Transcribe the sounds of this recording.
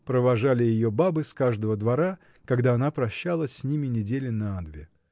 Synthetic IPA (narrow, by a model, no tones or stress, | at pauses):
pɾəvɐʐalʲɪjɪjobabɨskaʐd̪əvəd̪vɐɾa | kɐɡd̪aɐnapɾɐɕːalˠəsʲsʲnʲimʲɪnʲɪdʲelʲɪnɐad̪vʲɪ